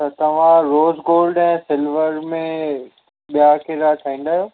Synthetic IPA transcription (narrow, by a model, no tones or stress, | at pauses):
t̪ɐt̪ɐʋ̤ãɾoːzɡoːlɖɛ̃ːsɪlʋəɾmẽ | ɓijakeɾat̪ʰɐĩːnd̪aːjoː